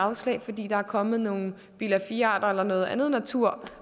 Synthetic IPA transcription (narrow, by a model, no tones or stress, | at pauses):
ɑ̈ʊslɛ̰ɪfɒ̽d̥ḭːd̥ɑ̈æɐkʰɒ̽mð̞̩ˠno̝ːn̩ | b̥ilæfiɑ̰̈ːd̥ɐelɐnɔ̽ːð̞̩ˠænð̩ˠnæt͡sʰuɐ̰